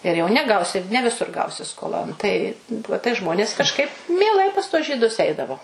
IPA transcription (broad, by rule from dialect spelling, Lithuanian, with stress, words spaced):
ɪr jɛʊ nʲɛˈɡɐʊsʲɪ nʲɛ ʋʲɪˈsʊr ˈɡɐʊsʲɪ skoːˈlˠoːn tɐɪ ˈʋuɔ tɐɪ ˈʒmoːnʲeːs kɐʃˈkɐɪp mʲiɛˈlˠɐɪ pɐs tuɔs ʒʲiːˈdʊs ˈɛɪdɐʋoː